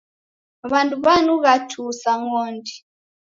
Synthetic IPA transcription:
βanduβanuɣatʰusaŋɔndi

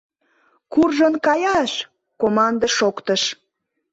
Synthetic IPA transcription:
kurʒənkɑjɑʃ | komɑnd̪əʃokt̪əʃ

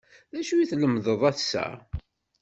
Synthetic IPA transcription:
ðæʃujiθləmðəðˤæθsæ̰

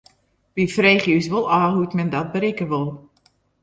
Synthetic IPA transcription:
ʋifreːχjysʋolˠaːɦutmɛndɔt̚bəɾɪkəʋolˠ

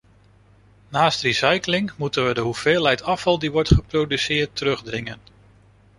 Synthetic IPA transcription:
naːstrisɑjklɪŋmutənʋədəɦuv̥ɪːlˠɦɛjtɑfɑlˠdiʋɔɹtχəprowdysɪːɹtːəɾɵχdrɪŋən

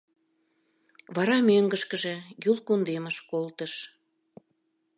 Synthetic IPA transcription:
βɑɾɑmøŋɡəʃkəʒejulkund̪eməʃkolt̪əʃ

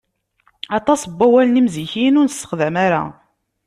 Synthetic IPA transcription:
ɑt̪ˤɑsəbːæwælənimziçinʊɾnəsə̥χðæmaɾa̰

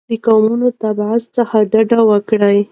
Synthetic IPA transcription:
d̪əkamunot̪abʕast͡səxaɖaɖawəkɽaj

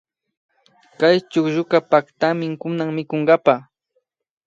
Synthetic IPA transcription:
kajt͡ʃʊkʒʊkapakt̪amɪŋkʊnaŋmɪkoɴɢɑpa

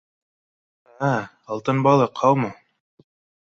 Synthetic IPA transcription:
a | ɑlˠt̪ɤnbɑlˠɤqʰɑwmɤ

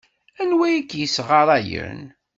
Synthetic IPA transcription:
ænwikːjisʁaɾˤæjə̰n

